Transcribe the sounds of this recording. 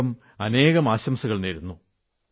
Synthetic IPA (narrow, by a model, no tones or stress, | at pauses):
ɐm | ɐne̞ːɣɐmaːɕɐmsɐɣɐɭniːɾunːu